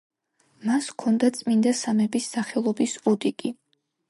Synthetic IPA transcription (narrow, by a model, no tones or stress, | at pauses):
maskʰɔnd̪at̪sʼmind̪asamɛbisːaχɛlˠɔbisɔd̪ikʼi